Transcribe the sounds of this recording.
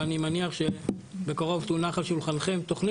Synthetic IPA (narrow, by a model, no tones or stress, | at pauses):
animaniaχʃebe̞kaʁo̞vt̪unaχalʃulχanχe̞mt̪oχn